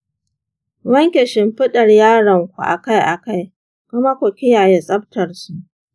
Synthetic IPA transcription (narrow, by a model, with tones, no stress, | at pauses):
wɐ˦ŋkʲɛ˨ʃɪ˨mɸɪ˦ɗɐ˨rjaː˦ɽɐ˨ŋkʷu˨ʔa̰˨ka˦jʔa˨ka˦j | kʊ˦ma˦kʷʊ˨kʲɪ˦jaː˨je˦sʼɐ˦b̚tɐ˨rsu˦ʔ